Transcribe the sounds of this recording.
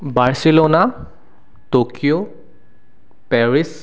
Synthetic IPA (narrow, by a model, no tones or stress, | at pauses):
baɹsilona | tokijo | pɛɹis